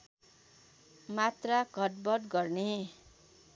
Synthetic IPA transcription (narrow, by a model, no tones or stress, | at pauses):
mat̪rakʌʈ̚bʌʈɡʌrne